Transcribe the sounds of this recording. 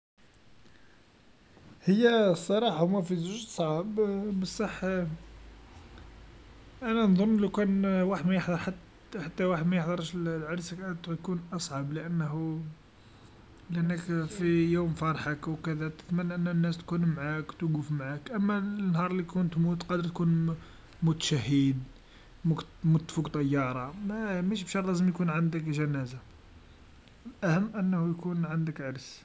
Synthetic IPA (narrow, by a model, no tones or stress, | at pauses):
həjːæsˤːɑɾˤɑħahʊmæfizuʒsˤʕabbəsˤːɑħ | ʔænænd̪ˤonːlukænwaħəd̪mæjəħd̪ˤɑɾˤħat̪ | ħat̪ːæwaħəd̪mæjəħd̪ˤɑɾˤʃllʕɑɾsəkʔæjkunʔɑsˤʕɑbləʔənːhu | ləʔənːəkfijumfɑɾˤħəkwkəd̪æt̪ə̥t̪mənːʔənːnːæst̪kunmʕakt̪ɡufmʕakʔəmːænhɑɾˤlikunt̪mut̪qɑd̪əɾt̪kun | mʊt̪ʃæɦːəd̪ | mʊkmut̪ːfukt̪ˤɑjːɑɾˤɑmmæʃbʃɑɾˤlæzəmjkunʕand̪əkʒænæza | lʔæhəmːʔənːhujkunʕand̪əkʕɑɾs